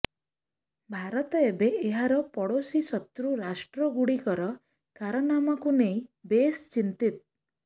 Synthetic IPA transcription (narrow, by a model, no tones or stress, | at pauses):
bʱaɾɔt̪ɔebeʔːɦaɾɔpɔɽosisɔt̪ɾuɾasʈɾɔɡuɽikɔɾɔ | kaɾɔnamɔkuneĩbest͡ʃint̪it̪̚